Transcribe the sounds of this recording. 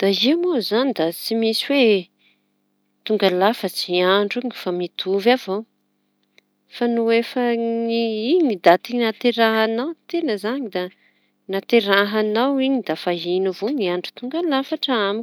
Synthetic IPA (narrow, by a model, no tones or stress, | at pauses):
d̪̥aimozanid̪at͡simisiwe | t̪uŋɡalafət͡siaɳɖ͡ʐuɲifamit̪ʰuvav̥o | fanuefəniiɲid̪at̪inat̪eɾaɦanawt̪enəzaɲid̪a | nat̪eɾaɦanawiɲid̪afaɦinuvoɲiaɳɖ͡ʐu̥t̪uŋɡalafaʈ͡ʂaami